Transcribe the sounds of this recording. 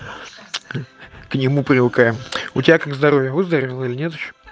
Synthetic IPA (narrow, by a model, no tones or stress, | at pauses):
knʲɪmupɾʲɪvɨkajɪmʊtʲɪbʲakaɡzd̪ɐɾovʲjəvɨzd̪əɾəvʲɪlˠəilʲɪnʲet̪ɪɕːo̥